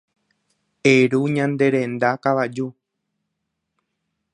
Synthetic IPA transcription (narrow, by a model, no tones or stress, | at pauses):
eɾuɲãnd̪e̞ɾẽ̞nd̪akaʋad͡ʒu